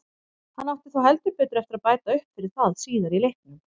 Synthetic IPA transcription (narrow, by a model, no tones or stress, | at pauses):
hanːawht̪ɪ̥θawɦɛlt̪ʏɾpɛːt̪ɾɛft̪ɪɾaðpaːjt̪aʏhpfɪɾɪɾ̥θaðsiːðaɾilehk̚nʏm